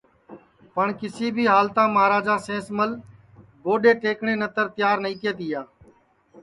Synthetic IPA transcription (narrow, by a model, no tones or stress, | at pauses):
pəɳkɪsiːbʱiːɦaːlt̪ãːmaːɾaːd͡ʒaːsẽːsməl | boːɗeːt̪eːkɳẽːnət̪əɾt̪ɪjaːɾnəĩːt̪eːt̪iːjaː